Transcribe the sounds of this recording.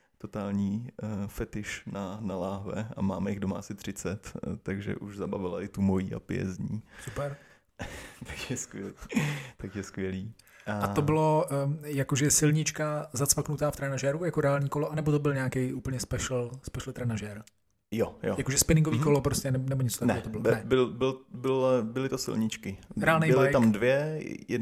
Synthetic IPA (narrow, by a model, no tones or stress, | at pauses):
t̪ot̪aːlɲiːfɛt̪ɪʃnanalaːɦvɛ̰amaːmɛjɪɣdoma̰ːsɪt̪r̝̥ɪt͡sɛt̪ːaɡʒɛ̰ʔuʒzabavɪlaʔɪt̪umojiːa̰pɪɛ̰zɲiːsupɛɾ | t̪akjɛskvjɛliːt̪akjɛskʋjɛliː | ʔaao̞bɪlo̞jakoʒɛsɪlɲɪt͡ʃkazat͡svaknut̪aːft̪ɾɛnaʒɛɾujakoɾɛaːlɲiːkoloʔanɛbot̪obɪlɲaːkɛjʔuːpl̩ɲɛspɛʃl̩spɛʃl̩t̪ɾɛnaʒɛɾ | jojojakoʒɛspɪnɪ̃ŋɡoviːkolopɾoscɛnɛnɛbo̞ɲɛt͡sot̪aknɛot̪obɪlonɛbɪlbɪlbɪlbɪlɪt̪osɪ̰lɲɪt͡ʃkɪɾɛaːlnejɪlɪt̪amdvjɛjɛ